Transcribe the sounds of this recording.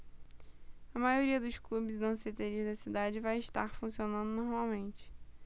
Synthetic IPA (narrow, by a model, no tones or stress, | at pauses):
ɐmajoɾiɐd̪ʊʃklubɪzd̪ɐ̃set̪eɾiʒd̪ɐsid̪ad͡ʒɪvajɪʃt̪a̰ɾfũsionɐ̃nd̪ʊnoɾmawmẽnt͡ʃɪ̥